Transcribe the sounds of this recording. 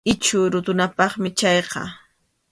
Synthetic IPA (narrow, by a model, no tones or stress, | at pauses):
ɪt͡ʃʊɾʊt̪ʊnapɑχmɪt͡ʃɑjqɑ̰